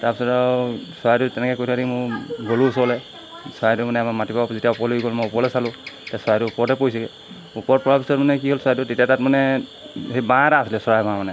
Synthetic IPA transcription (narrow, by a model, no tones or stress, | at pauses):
taɹpisɔtawsɔajtʊtɛnɛkɛkojtʰaɾimʊɹɡolusɔlɛ | sɔajtʊmanɛmamatibazitijaʊpɔloɡiɡɔlmɔjupɔlɛsalʊ̃tasɔajtʊupɔɹtɛpoisɛɡɛ | upɔɹt̚pɔɹapisɔtmanɛkiɦolsɔajtʊtetijatat̚manɛ | hebaɾaːsilɛsɔɹajbãmanɛ